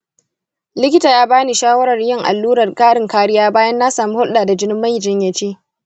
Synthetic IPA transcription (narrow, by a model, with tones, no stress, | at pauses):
lɪ˦kʲɪ˦taː˨jaː˦baː˦ni˨ʃaː˦wɐ˦ɾɐ˨rjɪ˦˨ŋʔa̰˨lːuː˦ɾɐ˨rkʼaː˦ɽɪ˨ŋkaː˦ɽɪ˦jaː˦baː˦jɐ˦nːa˦saː˨mi˦hʊ˦lɗaː˨da˨d͡ʒɪ˦nɪ˦mːa˦jd͡ʒɪ˦ɲjɐ˨t͡ʃeː˦ʔ